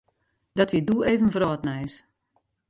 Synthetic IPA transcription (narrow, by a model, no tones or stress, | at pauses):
d̥ɔtʋiduːeːvənvrɔːtnɛjs